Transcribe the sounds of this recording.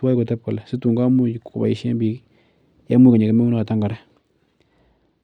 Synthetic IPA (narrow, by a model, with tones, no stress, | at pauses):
wa˦jko˨tɛ˦p̚kɔ˨lɛ˨sɪ˦tu˨ŋɡa˦mu˦ku˨ba̰˨i˨˦ʃe˦mbi˨k | ja˦mu˦ka˨ɲe˨ke˦me˦u˦na˦a˨ta˦ŋɡa˨ɾɛ˦